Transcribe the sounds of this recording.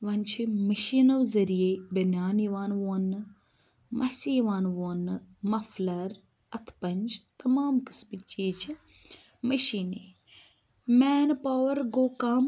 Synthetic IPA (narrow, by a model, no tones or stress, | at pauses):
ʋɐnt͡ʃʰimɐʃiːnɐʋzɐɾijebɐnjaːniʋaːnʋoːnɨ | mʔɐsiːʋaːnʋoːnɨmɐflɐɾ | ɐt̪ʰpɐɲʲd͡ʒt̪ɐmaːmkɨ̥smit͡ʃiːt͡ʃʰi | mɐʃiːneː | meːnpaːwɐɾɡoːkaːm